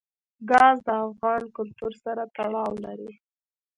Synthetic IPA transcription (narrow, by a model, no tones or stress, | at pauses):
ɡɑzd̪əafɣɑnkʊlt̪uɾsaɾat̪aɽɑwlaɾi